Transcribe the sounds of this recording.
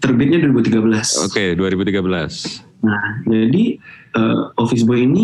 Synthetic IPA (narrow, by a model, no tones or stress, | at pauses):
t̪ərbɪt̪̚ɲaduaɾibut̪iɡabəlaso̰keduaɾibut̪iɡabəla̰s | nahd͡ʒadiəofɪsbojini